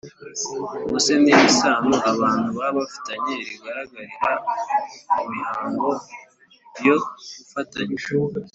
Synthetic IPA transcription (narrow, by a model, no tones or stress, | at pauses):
musenijisaːmuʔaβaːntuβaβafi̥taɲeɾiɡaɾaɡaɾiɾa | mumihaːŋɡo̞ | bjoɡufataɲiʃu